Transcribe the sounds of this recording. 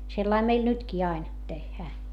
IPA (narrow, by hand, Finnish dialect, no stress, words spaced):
selːɑim meil nytkiː ɑin tehːæː